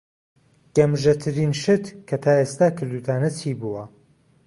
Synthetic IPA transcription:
ɡ̥ɐmʒɐt̪ʰɨɾiːnʃɨt̪kʰɐt̪ʰaːeːst̪aːkʰɨɾd̪uːt̪ʰaːnɐt͡sʰiːbuwɐ

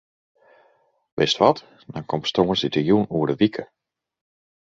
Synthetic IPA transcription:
ʋɪstʋɔt | dɔnkɔmtstoːənsitəjunuəɹdəʋikʰə

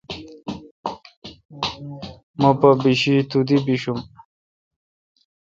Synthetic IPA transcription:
mɐpabiɕit̪ud̪ibiɕum

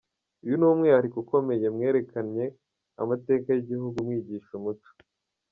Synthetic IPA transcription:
ujunuːmŋejaɾikuko̞me̞je̞mŋe̞ːɾe̞kanɲe̞ | a̰mate̞ːkajiɟihuɡumŋiːɟiːʃumutu̥

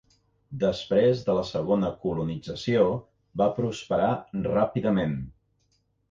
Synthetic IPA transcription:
d̪əspɾezðələsəɣ̞onəkulunid͡zəsio | bapɾuspəɾarapiðəmen

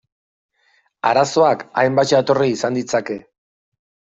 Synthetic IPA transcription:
aɾaso̞akajmbat͡ʃat̪o̞riːsand̪it͡sake̞

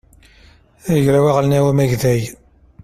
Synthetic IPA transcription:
æʝɾæwæʁlənæwæmæʝðæj

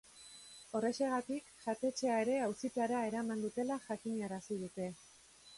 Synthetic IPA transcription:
o̞re̞se̞ɣ̞at̪ikʝat̪e̞t͡ʃe̞aeɾe̞awsit̪aɾae̞ɾamand̪ut̪e̞laʝakiɲaɾasið̞ut̪e̞

